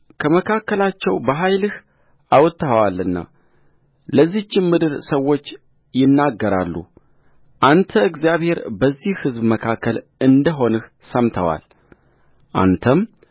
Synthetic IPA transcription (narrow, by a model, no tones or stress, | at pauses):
kʰəməkʰakːəlat͡ʃːɛwbəɦajlɨh | awt̪ʰːawalːɨnːa̰ | ləzːiht͡ʃːɪmːɨd̪ɨɾsəwːo̞t͡ʃː | jɪnːaɡːəɾa̰lːṵ | ʔant̪ʰəɨɡzjaβhe̞ɾbəzːihhɨzbməkʰakʰːəlɨnd̪əɦo̞nɨh | səmt̪ʰəwa̰l | ʔa̰nt̪ʰəm